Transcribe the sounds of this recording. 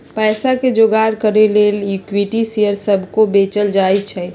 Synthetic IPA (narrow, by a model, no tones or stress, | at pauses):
pɛːsaked͡ʒoɡaɾkəɾelelukwiʈisejəɾsəbʱkobet͡ʃəld͡ʒajt͡ʃʰɛ